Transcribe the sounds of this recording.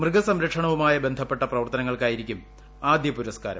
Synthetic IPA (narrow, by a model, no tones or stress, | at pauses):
mrɨɡɐsɐmɾɐkʂɐɳɐʋumaːjɐbe̞nd̪ʱɐpːe̞ʈːɐprɐʋɐrt̪ɐnɐŋːɐɭkaːjiɾikʲːum | aːd̪jɐpuɾɐska̰ːɾɐ̰